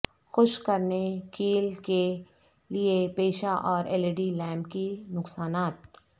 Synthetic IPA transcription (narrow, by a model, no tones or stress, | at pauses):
xʊʃkɐɾnekiːlke | liepeːʃaʔɔːɾʔɛːleɖilɛːmkinʊksaːnaːt̪̚